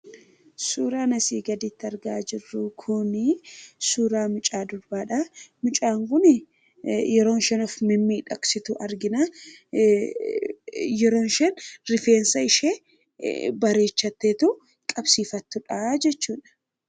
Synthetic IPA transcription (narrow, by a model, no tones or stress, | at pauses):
suːɾaːnɐsiːɡɐd̪it̪ːɐɾɡaːd͡ʒɪrːʊkʰʊnɪsuːɾaːmʊt͡ʃʼaːd̪ʊɾbaːᶑamʊt͡ʃʼaːŋkʊn | jɛɾo̞ːnʃɛnɔfmɪmːiːᶑɐksɪt̪ʊʔɐɾɡɪnaː | jɛɾo̞ːnʃɛnɾɪfeːnsɐɪʃeː | bɐɾe̞ːt͡ʃːɐt̪ːeːt̪u | kʼɐbsiːfɐt̪ːʊᶑad͡ʒɛt͡ʃːuːᶑɐ̥